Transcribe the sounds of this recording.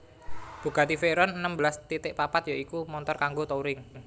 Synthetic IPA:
b̥ṳɡat̪ifeɾɔnənəmbəlast̪it̪ɪʔpapat̪jaikumɔnt̪ɔrkaŋɡot̪ouɾɪŋ

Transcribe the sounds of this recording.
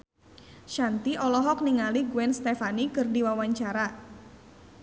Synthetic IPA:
ʃant̪iʔɔlɔɦɔk̚niŋaliɡuɛnst̪efanikɨrdiwawaɲt͡ʃaɾa

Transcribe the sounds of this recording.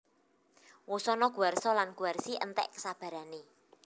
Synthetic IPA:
wosɔnɔɡ̥uarsɔlanɡ̥ṳarsiʔənt̪ɛ̰ʔkə̥sab̥ä̤ɾane

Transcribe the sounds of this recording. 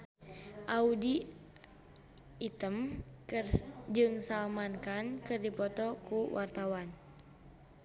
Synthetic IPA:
ʔaudi | it̪əmrd͡ʒɨŋsalmankankɨrdipɔt̪ɔkuwʔart̪awan

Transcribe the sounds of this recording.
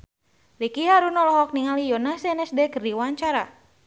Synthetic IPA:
likiɦaɾunɔlɔɦɔk̚niŋalijɔnasɛɛnɛsdɛkərdiwaɲt͡ʃaɾa

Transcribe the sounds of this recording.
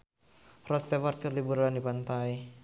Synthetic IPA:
rɔst̪ɛwart̪̚kərlibuɾlandipant̪aj

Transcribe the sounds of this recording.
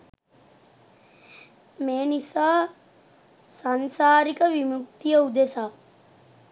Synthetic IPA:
meːnisaː | sansaːɾikəʋimuk̚t̪ijəud̪esaː

